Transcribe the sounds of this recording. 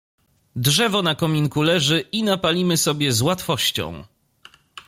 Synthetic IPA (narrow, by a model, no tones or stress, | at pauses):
dʐɛvɔnakɔmʲiŋkulɛʐɘinapalʲimɘsɔbʲjɛzwat̪fɔɕt͡ɕɔ̰̃w̃